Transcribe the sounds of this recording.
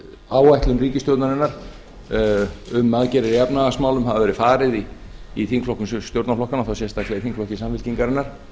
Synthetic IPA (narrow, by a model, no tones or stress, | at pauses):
aːwajht̪lʏmriːcɪst̪jowt̪naɾɪnːaɾ̥ | ʏmːaðcɛɾɪɾiɛpnaɣasmaːwlʏmɦavavɛɾɪfaːɾɪðiːθiŋkflɔhkʏmsst̪jowɾt̪naflɔhkanaθawsɛst̪aklɛθiŋkflɔhcɪsamvɪlciŋkaɾɪnːaɾ̥